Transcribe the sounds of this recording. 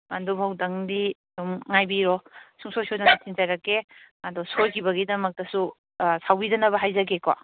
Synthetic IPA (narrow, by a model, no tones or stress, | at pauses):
ɐndubʱawdɐŋdiɐduŋŋajbiɾɔsuŋsojsojdanɐtʰinzajɾɐkːe | ɐdɔsojkʰibɐɡidɐmɐk̚tɐsu | sawbidɐnɐbɐɦajzɐɡeka̰